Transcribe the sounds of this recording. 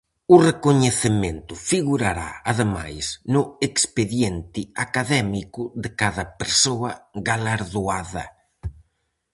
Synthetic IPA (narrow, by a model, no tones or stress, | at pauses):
ʊrekoɲeθɪment̪ʊfiɣuɾaɾa̰aðema̰jsnʊekspeðjɛnt̪ɪakaðɛmikʊðɪkaðɐpeɾsoɐɣalaɾðoaðɐ̰